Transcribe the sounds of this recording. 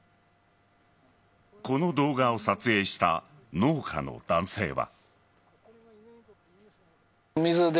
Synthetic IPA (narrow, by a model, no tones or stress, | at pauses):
ko̞no̞d̪o̞ːɡao̞sat͡sɨe̞ːɕi̥t̪a̰ | no̞ːkʰa̰no̞̰d̪̥ãɰ̃se̞ːβa̰ | mʲizɨd̪